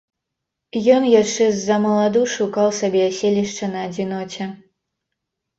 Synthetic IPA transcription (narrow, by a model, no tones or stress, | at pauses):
jɔnjaʂɛzːɐmɐlˠad̪uʂukɑwˠsɐbʲeɐsʲelʲiʂt͡ʂɐnɐːd͡zʲinɔt͡ɕʲɛ